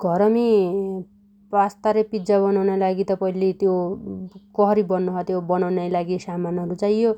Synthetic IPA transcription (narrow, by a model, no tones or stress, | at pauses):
ɡʱʌɾʌmi | past̪aɾepid͡zabʌnawnelaɡit̪ʌpʌilit̪jo | kʌɦʌɾibʌnːuɦʌt̪jobʌnawnajlaɡisamanʌɾut͡saĩjo